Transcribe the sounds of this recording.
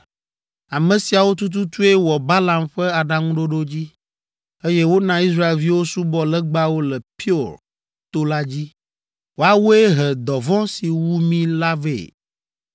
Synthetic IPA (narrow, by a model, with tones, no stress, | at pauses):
a˨mɛ̃˨si˨a˨wo˦t̪̬u˦t̪̬u˦t̪u˦e˦wɔ˨ba˦lã˨mɸɛ˦a˨ɖa˦ŋũ˦ɖo˦ɖo˦d͡ʑi˦ | e˦jɛ˦wo˦nã˨i˦s̬ɾa˦e˨lvi˦wo˦su˦bɔ˦lɛ˦ɡ͡ba˦wo˦lɛ˨pi˦o˨ɾ | t̪o˦la˦d͡ʑi˦ | wo˦a˨wo˦e˦ɦɛ˨d̪ɔ˨vɔ̃˦si˨wu˦mĩ˦la˦vḛ˨